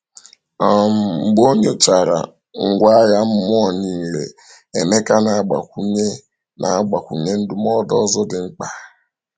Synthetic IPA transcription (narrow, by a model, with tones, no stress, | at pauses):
a˨m̩˨m̩˨ɡ͡bo˦ɲe˦˨t͡ʃa˨ɾa̰˨ | ŋ̩˨ɡʷa˦ja˦m̩˦m˦ɔ˦˨ɲi˨lḛ˨ | e˨me˦ka˦na˨˦˨ɡ͡ba̰˨kʷu˦ɲe˦ | nʔa̰˨a˦ɡ͡ba˨kʷṵ˨ɲe˦n̩˦du˦mɔ˦dɔ˦zɔ˦dɪ˨ŋ͡m̩˦k͡pa˨